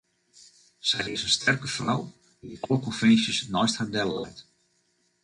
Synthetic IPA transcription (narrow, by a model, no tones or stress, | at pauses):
sɛjrɪsənstʰɛrkəfra̰w | iʔokɔnfɛnsjəsnɔjsthadɛllɛ̰jt